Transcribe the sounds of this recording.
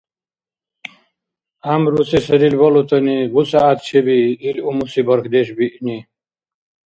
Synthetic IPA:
amɾusesɐɾilbɐlut̪ɐniɡut͡saːt̪̚t͡ɕʰebiːlumusibʌɾkʰd̪eɕbiʔni

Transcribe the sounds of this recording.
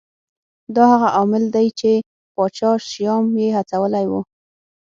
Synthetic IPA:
d̪ɑhaɣaʔɑmɪld̪ajt͡ʃe | pɑt͡ʃɑʃjɑmjehat͡sawəlajwu

